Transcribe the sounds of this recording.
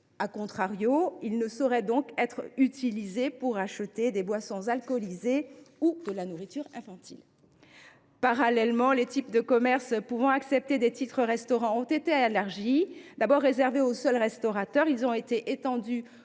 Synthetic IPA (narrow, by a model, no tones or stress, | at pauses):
akɔ̃t̪χaʁjoilnəsɔʁɛd̪ɔ̃kɛt̪χyt̪ʰilizepuʁaʃət̪ed̪ebwasɔ̃zalkɔlizeud̪əlanuʁit̪yʁɛ̰̃fɑ̃t̪ḭl | paʁalɛlmɑ̃let̪ipd̪əkɔmɛʁspuvɑ̃aksɛp̚t̪ed̪et̪it̪χəʁɛst̪ɔʁɑ̃ɔ̃t̪et̪ealaʁʒid̪abɔʁːezɛʁveosœlʁɛst̪ɔʁat̪œʁilzɔ̃et̪eʔet̪ɑ̃d̪y